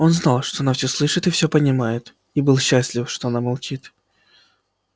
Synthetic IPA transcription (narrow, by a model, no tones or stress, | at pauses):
o̞nznɑlˠʂt̪oɐnafsʲɵslˠɨʂɨt̪ɨfsʲopənʲɪmajɪt̪ | ibɨlˠɕːasʲlʲɪfʂt̪oɐnamɐlˠt͡ɕit̪